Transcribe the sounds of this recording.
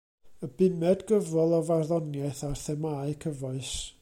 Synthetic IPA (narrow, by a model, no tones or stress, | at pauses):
əbɪmɛdɡəvɔlˠɔvarðɔnjɛθarθɛmaːɨkʰəvɔɨs